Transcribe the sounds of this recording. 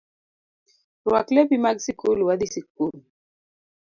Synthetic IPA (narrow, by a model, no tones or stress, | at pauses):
ɾwaklebimaɡsikuluwad̪isikul